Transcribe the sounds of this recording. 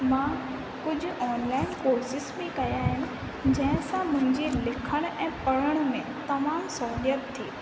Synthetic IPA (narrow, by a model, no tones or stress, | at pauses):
mãː | kʊd͡ʑʱʊ̆ɔːnlaːɪnkoːɾsɪsmẽkɐjaːɦɪnɪ̆ | d͡ʑɐ̃ɦɪ̃sãmʊ̃ɦɪ̃ɲd͡ʑelɪkʰəɽ̃ʔɛ̃ːpɐɽ̤əɽ̃mẽt̪ɐmaːmsɔːljət̪t̪ʰːiː